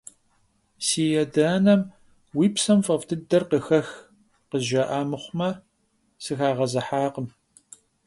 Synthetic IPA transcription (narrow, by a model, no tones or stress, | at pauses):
siːjɛdɐːnɐm | wiːpsɐmfɐvtʰɨdɐrqəxɐx | qəʒɐʔaːmɨχʷʊmɐ | sɨxaːʁɐzɐħaːqəm